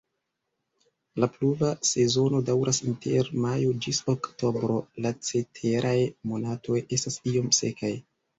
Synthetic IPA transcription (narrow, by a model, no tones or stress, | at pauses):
lapluvase̞zo̞no̞dawɾʔasintʰe̞ɾmajod͡ʒisokto̞bɾo̞lat͡se̞tʰe̞ɾʔajmo̞natʰo̞je̞stasio̞mse̞̰kʰaj